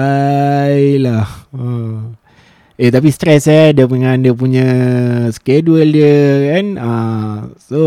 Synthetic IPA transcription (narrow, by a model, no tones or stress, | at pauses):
a | jlahə | et̪ap̬ist̪ɾɛsadiəpuŋandiəpuɲə̃skeduəldiəkanə | so